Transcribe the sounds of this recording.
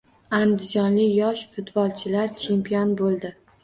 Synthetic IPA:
and̪ɪd͡ʒɒnlɪjɒʃfʊt̪bɒlˠt͡ʃʰɪlaɾt͡ʃʰe̞mpʰijɒnbolˠd̪ɪ

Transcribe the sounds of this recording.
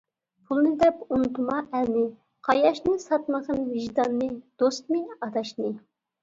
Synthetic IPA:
pʰulˠnɨd̪ɛpunt̪umɑʔɛnɪ | qʰɑjɑʃnɨsɑt̪məʁənvɪʒd̪ɑnːɨd̪̥ost̪mɨɑd̪ɑʃnɨ

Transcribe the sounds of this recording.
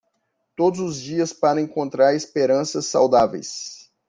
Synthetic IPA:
t̪od̪ʊzʊzd͡ʒiɐspaɾɐẽŋkõnt̪ɾaɾespeɾɐ̃sɐsːa̰wd̪avḛjs

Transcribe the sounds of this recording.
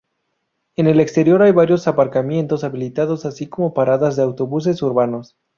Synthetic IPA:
e̞ne̞le̞kst̪e̞ɾjo̞ɾajβaɾjo̞sapaɾkamje̞nt̪o̞saβilit̪aðo̞sasiko̞mo̞paɾaðazðeawt̪o̞βus̬e̞suɾβano̞s

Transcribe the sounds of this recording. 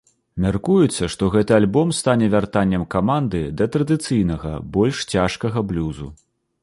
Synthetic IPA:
mʲarkujɛt̪sːɐʂt̪ɔɣɛt̪ɨalʲbɔmst̪anʲɛvʲart̪anʲːɐmkamand̪ɨd̪ɐt̪ɾɐd̪ɨt̪sɨjnɐɣɐ̰bɔlʲʂt͡sʲaʂkɐɣɐblʲuzṵ

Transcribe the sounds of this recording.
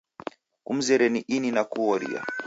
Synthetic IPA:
kum̩zɛɾɛniʔininakuɔɾḭa̰

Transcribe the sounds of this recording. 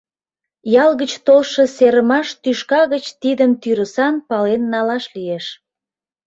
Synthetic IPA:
jɑlɣət͡ɕt̪olʃəseɾəmɑʃt̪yʃkɑɣət͡ɕt̪id̪əmt̪yɾəsɑnpɑlenːɑlɑʃlieʃ

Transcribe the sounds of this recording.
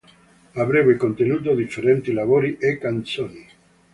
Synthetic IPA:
abɾebekont̪enuːt̪od̪ifːeɾɛnt̪ilavoːɾiʔekːant̪soni

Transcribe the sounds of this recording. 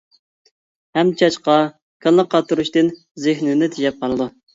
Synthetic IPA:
hɛmt͡ʃʰɑt͡ʃqɑ | kʲʰɑlːˠəqːɑt̪ːuɾuʃt̪ɨn | zɪhnɪnɪt̪ʰɪʃɛp̚qʰɑlˠɨd̪u

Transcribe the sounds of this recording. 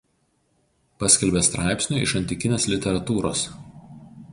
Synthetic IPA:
pɑsʲkʲɛlʲbʲeːst̪ɾʔɑˑɪpʲsʲnʲuˑɪ̰ʃɐnʲt̪ʲɪkʲɪnʲeːslʲɪt̪ʲɛɾɐt̪uːɾoːs

